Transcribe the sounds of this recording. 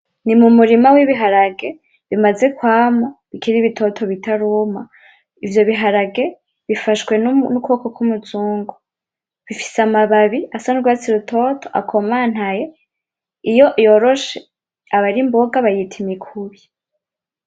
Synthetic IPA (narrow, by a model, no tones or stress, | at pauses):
nimumuɾimawiβiɦaɾaɡe̞ | βimaze̞kwaːmoβikiɾiβitʰo̞tʰo̞βitaɾuma | ivjo̞βiɦaɾaɡe̞ | βifaʃkwe̞nnukoːkokumuzuːŋɡo | βifi̥samaβaβiasanuɾɡwat͡siɾutʰo̞tʰoʔa̰kʰo̞maːn̥haje | ijo̞ʔjo̞ɾoʃe | aβaɾimbo̞ɡaβajitʰimikʰuβi